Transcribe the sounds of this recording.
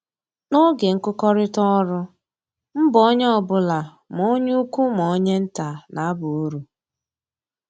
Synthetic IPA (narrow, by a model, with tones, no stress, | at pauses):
no˦ɡe˨ŋ̩˦kʊ˦kɔ˦ɾɪ˦tɔ˦ɾʊ˦ | m̩˦bɔ˦ɲ˦ɔ˦˨bʊ˦la˨ | m˨o˦ɲu˦u˦kʷu˦m˨o˨˦ɲe˦n̩˦ta˨na˨a˦bʊ˨u˦ɾu˨